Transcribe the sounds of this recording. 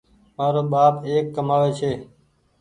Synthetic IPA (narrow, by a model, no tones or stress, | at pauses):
maːɾoːɓaːpeːkːəmaːʋeːt͡ʃʰeː